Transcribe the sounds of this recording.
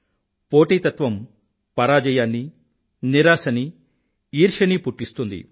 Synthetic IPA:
po̞ːʈiːt̪ɐt̪ʋɐm | pɐɾaːd͡ʒɛjaːnːi | niɾaːsɐni | iːɾʂɐnipuʈːist̪und̪ḭ

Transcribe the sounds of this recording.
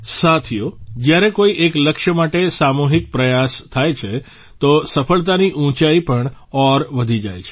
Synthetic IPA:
sat̪ʰijod͡ʒjaɾekoiʔekləkʃəmaʈesamuɦik̚pɾəjast̪ʰajt͡ʃʰe | t̪osəfəɭt̪aniʔũt͡ʃaipəɳɔɾʋəd̪ʱid͡ʒa̰jt͡ʃʰe̥

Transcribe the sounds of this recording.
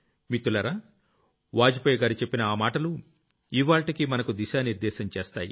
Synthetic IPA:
mit̪ːulɐɾa | ʋaːd͡ʒipɔjɐɡaːɾit͡ʃe̞pːinɐaːmaːʈɐlu | iʋaːɭʈikimɐnɐkud̪iʃaːniɾd̪ɛːʃɐmt͡ʃeːst̪a̰ːjḭ

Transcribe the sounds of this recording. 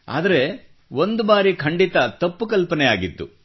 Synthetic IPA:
a̰ːd̪ɐɾe̞ | ʋo̞nd̪ubaːɾikʰɐɳɖit̪ɐt̪ɐpːukɐlpɐnɛjaːɡit̪ːṵ

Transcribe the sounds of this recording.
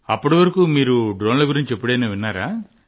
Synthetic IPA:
ɐpːuʈiʋɐɾɐkuːmiːɾuɖɾoːnlɐɡuɾiɲt͡ʃepːuɽɐjneːʋinːaːɾaː

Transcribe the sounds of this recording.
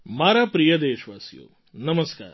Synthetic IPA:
maːɾaːpɾijɐd̪eːʃʋaːsjo̰ː | nɐmɐska̰ːɾ

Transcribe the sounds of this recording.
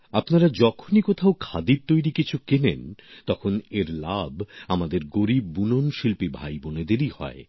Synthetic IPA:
apnaɾad͡ʑɔkʰonikot̪ʰaokʰad̪iɾt̪ojɾikit͡ɕʰukenent̪ɔkʰoneɾlabamad̪eɾɡoɾibːunonʃilpibʱajboned̪eɾihɔ̰e

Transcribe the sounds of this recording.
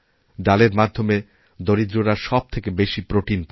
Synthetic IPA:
d̪aleɾmad̪ʱːome | d̪oɾid̪ɾoɾaʃɔb̚t̪ʰekebeʃipɾoʈinp

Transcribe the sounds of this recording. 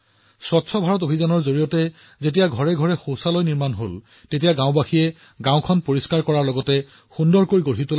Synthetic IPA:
swɔtsʰɔbʱaɹɔtobʱizanɔɹzoɹijɔtɛ | zetijaɡʱɔɹɛɡʱɔɹɛxowsalojniɹmanɦol | tetijaɡãʊ̃baxiɛ | ɡãwʊ̃kʰɔnpoɹiskaɹkɔɹaɹlɔɡɔtɛ | xundɔɹkoɹiɡoɹɦitola

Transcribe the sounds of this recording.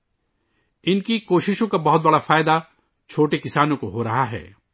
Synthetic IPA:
ɪnkikoːʃɪʃõkabɐɦʊt̪̚bɐɽafaːɪd̪a | t͡ʃʰoːʈekɪsaːnõkoɦoːɾɐɦaɦɛ̰ː

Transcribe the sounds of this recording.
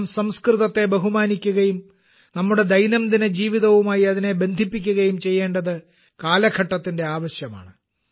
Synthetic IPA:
msɐmskrɨðɐt̪ːe̞bɐɦumaːnikʲːuɣɐjum | nɐmːuɽe̞d̪ɐjnɐmd̪ined͡ʑiːʋiðɐʋumaːjiɐðine̞be̞nd̪ʱipːikʲːuɣɐjumt͡ɕe̞jːe̞ːɳɖɐðɨ | kaːlɐkʰɐʈːɐt̪ːinde̞aːʋɐɕjɐma̰ːɳɨ

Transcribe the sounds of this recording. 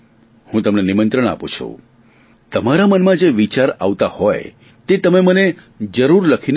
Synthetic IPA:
hũt̪əmnenimənt̪ɾəɳ̃a̰pṵt͡ʃʰṵ | t̪əmaɾamənmãd͡ʒeʋit͡ʃaɾa̰ʋt̪ahɔj | t̪et̪əmeməne | d͡ʒəɾuɾləkʰin

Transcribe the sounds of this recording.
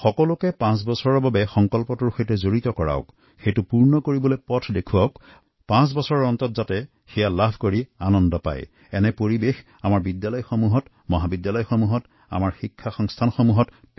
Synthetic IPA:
xɔkɔlʊkɛpãs̬bɔsɔɹɔɹbabɛxɔŋkɔlpɔtʊɹxojtɛzoɹitɔkɔɹa̰ʊk | xejtʊpuɹnɔkoɹibɔlojpɔtʰdekʰuaʊk | pãs̬bɔsɔɹɔɹɔntɔtzatɛ | xɛjalabʱkoɹianɔndɔpa̰j | ɛnɛpoɹibex | amaɹbidjalɔjxomuɦɔt | mɔɦabidjalɔjxomuɦɔt | a̰maɹxikʰːaxɔŋstʰanxomuɦɔt

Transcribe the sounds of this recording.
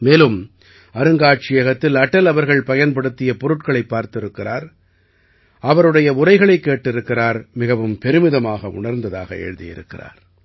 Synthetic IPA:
meːlɯm | ɐɾɯŋɡaːʈ̚t͡ʃɪjɐɣɐt̪ːɪlɐʈːɐlɐʋɐɾɣɐɭpɐjɐnpɐɽɯt̪ːɪjɐpɔɾɯʈkɐɭɐɪpːaːɾt̪ɪɾɯkːɪraːɾ | ʔɐʋɐɾɯɽɐjɐʊrɐɪɣɐɭɐɪkːeːʈːɪɾɯkːɪraːɾmɪɣɐʋɯmpɛɾɯmɪðɐmaːɣɐʔʊ̰ɳɐɾnd̪ɐða̰ːɣɐ̰ḛɻɯðɪjɪ̰ɾɯ̰kːɪra̰ːɾ

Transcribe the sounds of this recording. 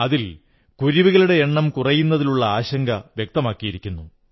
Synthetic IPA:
ɐðil | kuɾiʋiɣɐɭuɽe̞eɳːɐmkurɐjunːɐðiluɭːɐaːɕɐŋɡɐʋjek̚t̪ɐmaːkːijiɾikʲːunːu

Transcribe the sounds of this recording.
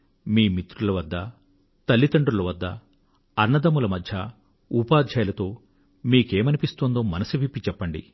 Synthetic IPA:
miːmit̪ɾulɐʋɐd̪ːɐ | t̪ɐlːit̪ɐɳɖɾulɐʋɐd̪ːɐ̰ | ɐɾnɐd̪ɐmulɐmɐd̪ʱjɐ | upaːd̪ʱjɐjɐlɐt̪o̞ː | miːkeːmɐnipist̪oːnd̪o̞ːmɐnɐsuʋipːit͡ʃɛpːɐɳɖḭ

